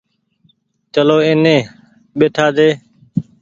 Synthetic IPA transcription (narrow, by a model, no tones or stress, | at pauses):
t͡ʃəloːeːnẽː | ɓeːʈʰaːd̪eː